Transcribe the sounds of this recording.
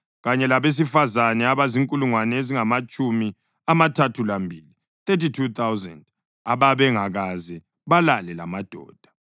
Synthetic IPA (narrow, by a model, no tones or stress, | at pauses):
ɣaɲɛlaβes̬ifazanɛaβaziŋkʼuluŋwaneziŋamat͡ʃʼumi | amatʰatʰulambʱili | θet̬itʰut̪ʰawzɛnd | aβaβɛŋaɣazɛ | βalalɛla̰mad̥ʱɔ̰ːd̥ʱḁ